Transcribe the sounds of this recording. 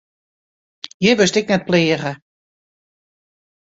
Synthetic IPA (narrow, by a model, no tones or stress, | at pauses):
jɪʋøstɪk̚nɛt̚pleːəɣə